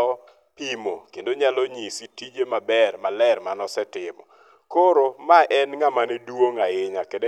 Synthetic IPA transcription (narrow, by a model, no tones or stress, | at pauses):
ɔ | pimo̰kendoɲalɔɲisitid͡ʒemabɛrmalɛrmanɔsɛtɪmɔ̰ | koɾomaʔɛnŋamanedwoŋaɪɲakede